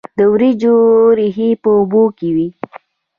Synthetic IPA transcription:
d̪əwɾid͡ʒoɾiɦipəʊbokewi

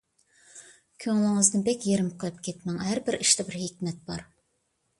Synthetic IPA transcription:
kʲʰøŋlˠɪŋəzd̪ɨnbɛkʲjeɾɪmqʰəlˠɨp̚kʲet̪mɛŋɦæɾbɪɾiʃt̪ɛbɪɾɦɪkʲmɛt̪̚b̥ɑɾ

